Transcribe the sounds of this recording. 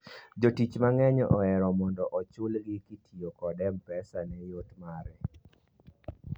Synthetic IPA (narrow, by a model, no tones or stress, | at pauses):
d͡ʒotit͡ʃmaŋɛɲɔʔɔɛɾɔmɔndɔʔɔt͡ʃʊlɡɪkitʰiokɔdɛmpɛsanɛjotmaɾɛ